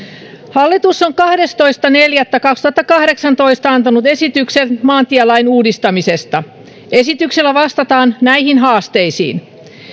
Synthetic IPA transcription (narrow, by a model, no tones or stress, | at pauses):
hɑlːit̪usːoŋkɑhde̞st̪o̞ist̪ɑneljæt̪ːækɑkst̪uhɑt̪ːɑkɑhɾe̞ksɑnt̪o̞ist̪ɑɑnt̪ɑnut̪e̞sit̪ykset̪mɑːnt̪ielɑinuːdist̪ɑmise̞st̪ɑ | esit̪ykselːæʋɑst̪ɑt̪ɑːnnæihinɦɑːst̪e̞isḭːn